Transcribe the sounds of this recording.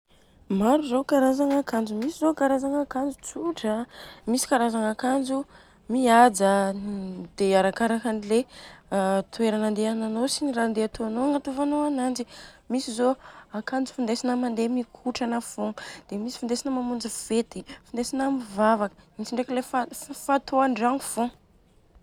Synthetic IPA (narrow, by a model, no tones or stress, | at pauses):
maɾuzokaɾazaŋakand͡zumisizokaɾazaŋakand͡zut͡suʈ͡ʂəmisi̥kaɾazaŋakand͡ʒu | miad͡za | d̪̥eaɾakaɾakanile | t̪ueɾanand̪eananosinirand̪eat̪oanoaŋat̪uvanoanand͡zimisizoakand͡zu̥fund̪esinəmand̪emikʰuʈ͡ʂanəfoŋd̪̥emisi̥fund̪esinəmamund͡ziv̥et̪ifund̪esinamivavakə̥int͡siɳɖ͡ʐeklefafat̪oaɳɖ͡ʐaŋufo